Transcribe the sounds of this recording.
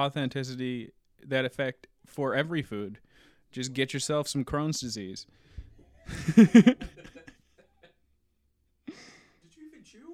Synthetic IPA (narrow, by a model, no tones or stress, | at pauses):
ɔθɛ̃ntʰɪs̬ɨɾi | ðɨɾɨfɛk̚tfə˞ɛvɹifʉd̥̚ | d͡ʒʌs̬ɡ̥ɛt͡ʃə˞sɛlˠfsʌ̃mkʰɹ̥õʊ̃nzdɨziz̥